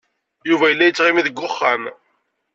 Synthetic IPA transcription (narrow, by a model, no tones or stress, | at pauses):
juvæjəlːæjət͡sːʁimiðəɡːʊχːæn